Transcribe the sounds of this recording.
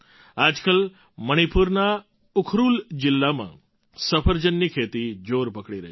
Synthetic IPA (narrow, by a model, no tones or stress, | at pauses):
ad͡ʒkəl | məɽ̃ipuɾna | ʊkʰɾuld͡ʒɪlːamã̰ | səpʰəɾd͡ʒənːikʰet̪id͡ʒoɾpəkɽiɾəɦ